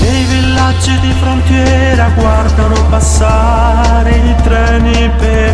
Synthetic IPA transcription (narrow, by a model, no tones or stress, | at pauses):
ejvilːad͡ʒːid̪ifɾont̪jɛ | ɾaɡward̪anopasːa | ɾeit̪ɾɛːni | pe